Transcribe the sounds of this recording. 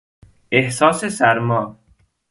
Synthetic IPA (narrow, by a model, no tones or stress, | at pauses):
ehsɒːsesæɾmɒː